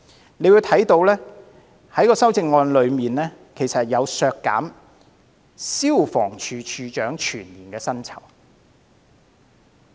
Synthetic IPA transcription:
ne˨˧jwu˨˧wt̪ʰɐ˨˥jt̪o˨˧wlɛː˥ | hɐ˨˥jkɔː˧sɐ˥wt͡sɪ˧ŋːɔː˧nlɵ˨˧ɥmiː˨nɛː˥ | kʰe˨˩jsɐ˨t̚jɐ˨˧wsœː˧kːa̰ː˨˥m | siː˥wfɔː˨˩ŋt͡ʃʰyː˧t͡ʃʰyː˨˧t͡ʃœː˨˥ŋt͡ʃʰyː˨˩nliː˨˩nkɛː˧sɐ˥nt͡sʰɐ̰˨˩w

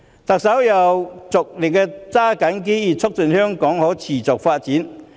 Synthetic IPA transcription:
t̪ɐ˨k̚sɐ˨˥wjɐ˨wt͡sʊ˨k̚lɪ˨˩k̚kɛː˧t͡saː˥kɐ˨˥nk̬e˥jiː˨˩t͡sʰʊ˥k̚t͡sɵ˨nhœː˥ŋkɔː˨˥ŋhɔː˨˥t͡sʰiː˨˩t͡sʊ˨k̚faː˧t̚t͡siː˨˥n

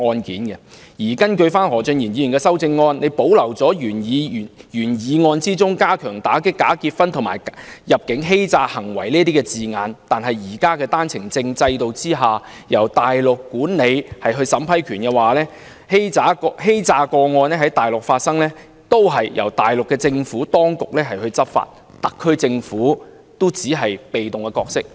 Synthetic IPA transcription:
ŋɔː˧nkḭː˨˥nɡɛ˧ | jiː˨˩kɐ˥nkɵ˧ɥfaː˥nhɔː˨˩t͡ʃɵ˧njiː˨˩nji˨˧y˨˩kɛː˧sɐ˥wt͡sɪ˧ŋːɔː˧nne˨˧jpo˨˥wlɐ˨˩wt͡sɔː˨˥jyː˨˩njiː˨˧˨jyː˨˩njiː˨˧ŋɔː˧nt͡siː˥t͡sʊ˥ŋkaː˥kʰœː˨˩ŋt̪aː˨˥kɪ˥kːaː˨˥kiː˧t̚fɐ˥nt̪ʰʊ˨˩maː˨˩jjɐ˨p̚kɪ˨˥ŋɦe˥jt͡saː˧hɐ˨˩ŋwɐ˨˩jliː˥t̪iː˥kɛ˧t͡siː˨ŋaː˨˧nt̪aː˨nɦɐ˨jːiː˨˩kaː˥kɛː˧t̪aː˥nt͡sʰɪ˨˩ŋt͡sɪ˧ŋt͡sɐ˧jt̪o˨wt͡siː˥ɦaː˨jɐ˨˩wt̪aː˨jlʊ˨kːuː˨˥nle˨˧jhɐ˨jɦɵ˧ɥsɐ˨˥mpʰɐ˥jkʰyː˨˩nkɛ˧waː˨˩lɛː˥ | he˥jt͡saː˨˥kɔhe˥jt͡saː˧kɔː˧ŋɔː˧nɛː˥ɦɐ˨˥jt̪aː˨˩jlʊ˨k̚faː˧t̚sɐ˥ŋlɛː˥ | t̪o˥wɦɐ˨jjʔɐ˨˩wt̪aː˨jlʊ˨kːɛ˧t͡sɪ˧ŋfuː˨˥t̪ɔː˥ŋkʊ˨k̚lɛː˥ɦɐ˨jɦɵ˧ɥt͡sɐ˥p̚fa̰ː˧t̚ | t̪ɐ˨kʰːɵ˥ɥt͡sɪ˧ŋfuː˨˥ | t̪o˥t͡siː˨˥ɦɐ˨jpe˨jt̪ʊ˨ŋkɛː˧kɔː˧k̚sɪ˥k̚

